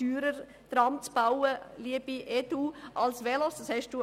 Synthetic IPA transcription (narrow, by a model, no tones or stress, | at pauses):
yːɾəɾ | d̪̥ɾɑmt͡sb̥awəliəb̥iʔɛd̪uːʔɑlsʋɛlɔsdɑshɛʃd̥uː